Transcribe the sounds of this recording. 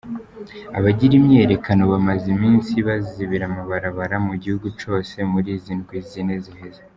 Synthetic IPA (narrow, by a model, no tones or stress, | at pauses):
a̰βaɟiɾimɲeːɾe̞kano̞βamazimiːnsiβaziβiɾamaβaɾaβaɾamuɟihuɡut͡ʃo̞ːse̞muɾiːzinɡwizine̞ziheze